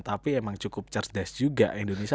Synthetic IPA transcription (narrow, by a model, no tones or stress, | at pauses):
t̪apiemaŋt͡ʃukʊp̚t͡ʃərdɛsd͡ʒuɡa̰ʔindonesi